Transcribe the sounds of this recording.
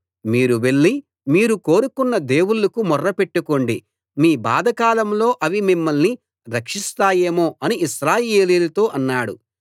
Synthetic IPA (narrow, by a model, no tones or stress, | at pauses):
miːɾuʋe̞ɭːi | miːɾuko̞ːɾukunːɐd̪e̞ːwulɐkumɔrːɐpeʈːuko̞ɳɖi | miːba̰ːd̪ɐkaːlɐmlo̞ːʔɐʋimimːɐlni | ɾɐkʂist̪aːje̞ːmo̞ːʔɐniiʃɾaːje̞ːliːlɐt̪o̞ːʔɐnːaːɽṵ